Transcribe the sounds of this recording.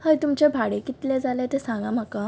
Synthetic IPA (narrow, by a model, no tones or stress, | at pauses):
həjt̪umt͡ɕabʱaɽekit̪lɛd͡zalat̪esãŋɡaməka